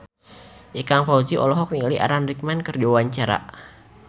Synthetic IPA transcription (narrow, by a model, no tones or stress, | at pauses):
ʔikaŋfauziʔɔ̰lɔɦɔk̚niliʔa̰ɾanrik̚mankərd͡ʒawaɲt͡ʃaɾa̰